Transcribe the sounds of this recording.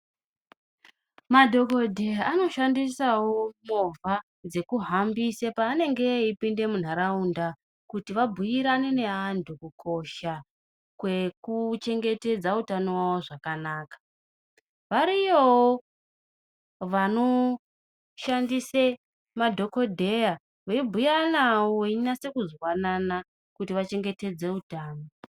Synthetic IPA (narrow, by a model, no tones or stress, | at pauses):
madʱo̞kodʱeano̞ʃandisawomovʱa | d͡ze̞kuɦambisepaːne̞ŋɡe̞ipinde̞mun̤aɾaunda | kutiʋabʱujiɾanene̞ɦantʰukukʰo̞ʃa | kwe̞kut͡ʃe̞ŋɡe̞te̞d͡zautanowawoʐakanaːkḁ | ʋaɾijowo | ʋano̞ | ʃandise̞ | madʱo̞ko̞dʱe̞ja | weibʱujanawoinase̞kuzowanana | kutiʋat͡ʃe̞ŋɡe̞te̞d͡ze̞utaːno